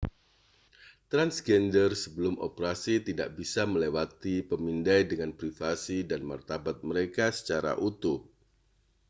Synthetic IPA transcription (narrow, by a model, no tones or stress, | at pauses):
t̪ɾansɡɛndərsəbəlʊmo̰pəɾasit̪ida̰ʔ̚bisaməlewat̪ipəmindajdəŋanpɾifasidanma̰rt̪abat̪̚məɾekasə̥t͡ʃaɾa̰ʔut̪ʊp̚